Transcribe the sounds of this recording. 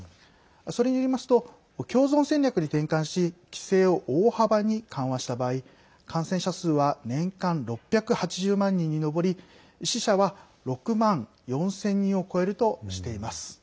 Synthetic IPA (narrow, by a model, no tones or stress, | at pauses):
aso̞ɾe̞ɲ̟ijoɾimasɨ̥t̪o̞ | kʲo̞ːzõ̞ɰ̃sẽ̞nʲɾʲakɯ̟ɲ̟it̪ẽ̞ŋkãɰ̃ɕikʲi̥se̞ːo̞ʔoːhabaɲ̟ikãɰ̃βaɕi̥t̪abaːi | kʰãɰ̃sẽ̞ɕasɨːβanẽ̞ŋkãnɾo̞pʲːjakɯ̟hat͡ɕiʑɨːmãɲ̟ːĩɲ̟ːino̞bo̞ɾʲi | ɕiɕaβa | ɾo̞kɯ̟mãŋ | jõ̞ɰ̃sẽ̞ɲ̟ːĩɰ̃o̞ko̞e̞ɾɯ̟t̪o̞ɕi̥t̪e̞imasɨ̥